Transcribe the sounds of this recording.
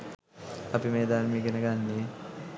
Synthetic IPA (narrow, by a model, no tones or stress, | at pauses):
ɐpimeːd̪aːɾmiːɡenəɡanːi